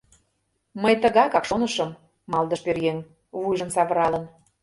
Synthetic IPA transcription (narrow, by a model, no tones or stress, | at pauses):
məjt̪əɣɑkɑkʃonəʃəmː | ɑlˠd̪ə̆ʃpørjeŋ | vujʒə̆nsɑβə̆ɾɑlə̆n